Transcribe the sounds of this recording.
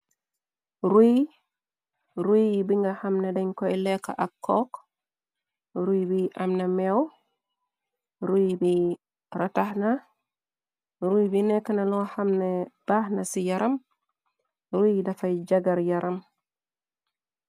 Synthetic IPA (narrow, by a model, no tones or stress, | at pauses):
ɾuj | ɾujbiŋɡahamnɛdaɲkɔɛlɛkːa̰ʔakʰːɔk | ɾujbiʔamnamɛw | ɾujbi | ɾatahna | ɾujbinɛkːanalɔhamnɛb̥ahnasijaɾʔam | ɾujdafajd͡ʒaɡaɾjaɾʔam